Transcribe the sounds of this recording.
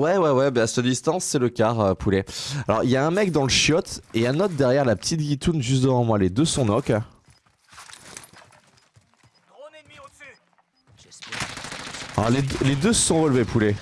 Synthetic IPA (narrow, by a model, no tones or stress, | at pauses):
wɛwɛwɛbasad̪ist̪ɑ̃sːɛləkʲaʁøpʰulealɔ̰ʁiljaɛ̃mɛk̚d̪ɑ̃ləʃjɔt̪eãnɔt̪̚d̪ɛʁjɛʁlapə̥t̪ʰit̪ɡʲit̪unʒyst̪̚d̪əvɑ̃mwaled̪øsɔ̃nɔk | a̰led̪led̪øsɔ̃ʁəlvepʰule